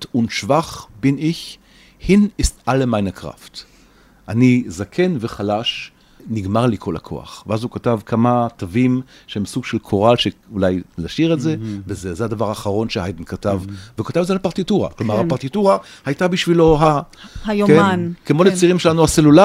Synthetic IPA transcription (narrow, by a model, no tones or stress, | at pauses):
tunʃvaχbiniç | hinistalemajnakʁa̰ft | ʔanizakʰenveχalaʃ | niɡmaʁlikʰo̞la̰kʰo̞̰a̰χveazhukatavkʰamatavim | ʃehemsuɡʃelkʰoʁalʃeulajlaʃiʁetzevezezead̪avaʁaːχaʁo̞nʃehajdn̩katavveukat̪avzealpaʁt̪ituʁa̰klomaʁhapaʁt̪ituʁahajtabiʃvilo̞ɦa | ajkenkemo̞let͡siʁimʃelanuhaselula